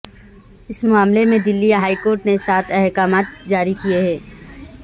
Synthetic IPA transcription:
ɪsmʊaːmlemẽd̪ɪlːiaɦaːikoːɾʈnesaːt̪ʰɛɦkaːmaːt̪̚d͡ʒaːɾikieɦɛː

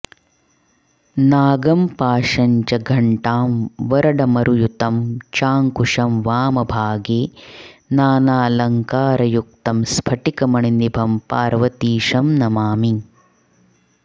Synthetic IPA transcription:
naːɡɐmpaːʂɐɲt͡ʃɐɡʱɐɳʈaːmʋɐɾɐɖɐmɐɾujut̪ɐmt͡ʃaːŋkuʂɐmʋaːmɐbʱaːɡeːnaːnaːlɐŋkaːɾɐjuk̚t̪ɐmspʰɐʈikɐmɐɳinibʱɐmpaːɾʋɐt̪iːʂɐmnɐmaːmi

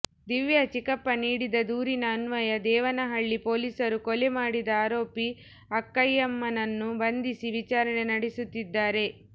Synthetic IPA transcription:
d̪iʋjɐt͡ʃikɐpːɐniːɽid̪ɐd̪uːɾinɐːnʋɐjɐd̪ɛːʋɐnɐɦɐɭːipo̞ːlisɐɾukɔlemaːɽid̪ɐaːɾo̞ːpi | ɐkːɐjːɐmːɐnɐnːubɐnd̪isiʋit͡ʃaːɾɐne̞nɐɽesut̪ːid̪ːaːɾe̞

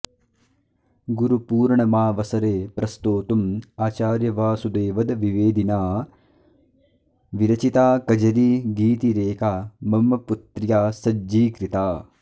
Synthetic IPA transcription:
ɡuɾupuːɾɳɐmaːʋɐsɐɾeːpɾɐst̪oːt̪umaːt͡ʃaːɾjɐʋaːsud̪eːʋɐd̪ʋiʋeːd̪inaː | ʋiɾɐt͡ʃit̪aːkɐd͡ʒɐɾiɡiːt̪iɾeːkaːmɐmɐput̪ɾjaːsɐd͡ʒiːkɾit̪aː

